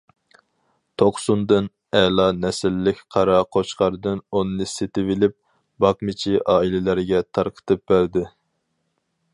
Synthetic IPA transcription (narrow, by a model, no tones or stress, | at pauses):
t̪ʰoqsund̪ɨn | ɛlˠɑnɛsɪlːɪkʲqʰɑɾɑqʰot͡ʃqʰɑɾɨd̪ɨnonɨnɨset̪ɪvɪlɪp̚ | bɑqmɪt͡ʃʰiʔɑːilɪlæɾɡʲɛt̪ʰɑɾqʰə̥t̪ʰɨp̚bæɾd̪ɪ